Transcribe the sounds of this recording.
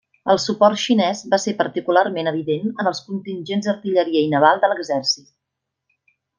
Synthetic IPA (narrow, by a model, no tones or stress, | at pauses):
əlˠsupɔrt̪ʃinɛzβasepəɾt̪ikularmenəβ̞iðenənəlˠskunt̪inʲʒenzd̪ərt̪iʎəɾiəinəβ̞alˠd̪ələɡzɛrsit̪̚